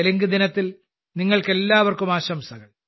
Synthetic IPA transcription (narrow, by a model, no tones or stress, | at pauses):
elɐŋɡɨd̪inɐt̪ːil | niŋːɐɭke̞lːaːʋɐrkumaːɕɐmsɐɣɐɭ